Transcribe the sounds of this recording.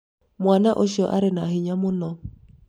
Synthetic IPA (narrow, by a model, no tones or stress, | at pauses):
mwanaʔoʃɔʔa̰ɾɪnaɦɪɲamʊnɔ